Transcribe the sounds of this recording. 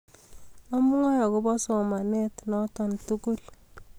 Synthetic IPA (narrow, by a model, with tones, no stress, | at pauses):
ɔ˦mu˦ŋɔ˦jɔ˨kɔ˦bɔ˦sɔ˨ma˨nɛ˦tnɔ˦tɔ˨ntu˦ku˦l